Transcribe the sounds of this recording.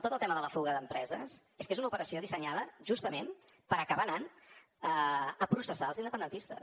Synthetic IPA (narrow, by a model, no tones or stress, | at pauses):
t̪ot̪əlˠt̪ɛməðələfuɣəðəmpɾɛzəseskezunəupəɾəsioðisəɲaðəʒust̪əmenpəɾəkəβanan | əəpɾusəsalˠzind̪əpənd̪ənt̪ist̪ə̰